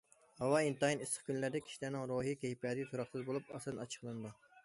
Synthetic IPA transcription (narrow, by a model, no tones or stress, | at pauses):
hɑwɑint̪ɑinisχkʲʰynlæɾd̪ɛkʲʰi̥ʃilæɾnɪŋɾoːɦikʲejipɛd̪ʲt̪ʰuɾɑχsɨzbolˠupɑsd̪ɨnɑt͡ʃʰə̥χlˠɨnd̪u